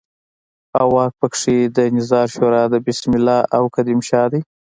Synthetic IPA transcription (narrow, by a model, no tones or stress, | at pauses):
awɑk̚pəkʂed̪ənɪzɑɾʃoɾɑd̪əbɪsmɪlɑʔawkad̪imʃɑd̪ij